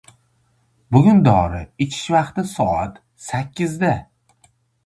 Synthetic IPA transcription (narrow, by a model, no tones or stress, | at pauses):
bʊɡʲʊnd̪ɒɾɪɪt͡ʃʰɪ̥ʃvɑqt̪ɪsɒat̪ | sakʲʰːɪzd̪a